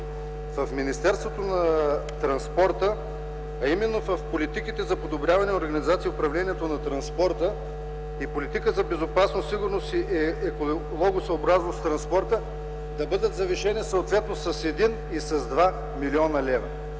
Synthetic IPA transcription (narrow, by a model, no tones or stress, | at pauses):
vɐfminist̪ɛɾst̪vot̪onɐt̪ɾɐnspɔɾt̪ə | ɐimɛnːovɐfpolit̪ikit̪ɛzɐpod̪obɾʲjavɐnɛoɾɡɐnizat̪siʊpɾɐvlɛnʲiɛt̪onɐt̪ɾɐnspɔɾt̪ə | ipolit̪ikəzɐbɛzopasnosiɡʊɾnost̪iʔɛɛko | lˠɔɡosɐobɾaznost̪ɾɐnspɔɾt̪ə | d̪ɐbɤd̪ət̪zɐviʃɛnisəot̪vɛt̪nosɐsɛd̪in | isɐzd̪va | miliɔnəlɛvɐ